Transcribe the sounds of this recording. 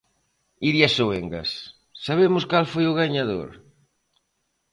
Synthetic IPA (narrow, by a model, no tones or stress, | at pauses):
iɾjasoeŋɡɐ̰sː | aβ̞emʊskalfojʊɣaɲaðo̰ɾ